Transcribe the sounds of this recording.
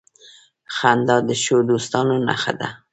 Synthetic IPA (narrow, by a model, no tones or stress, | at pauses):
xand̪ɑd̪əʃod̪ost̪ɑnona̰xa̰d̪a̰